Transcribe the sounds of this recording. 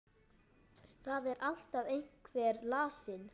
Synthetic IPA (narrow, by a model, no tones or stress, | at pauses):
θaðɛɾʔal̥t̪avejŋ̥kʰvɛːɾlaːsɪn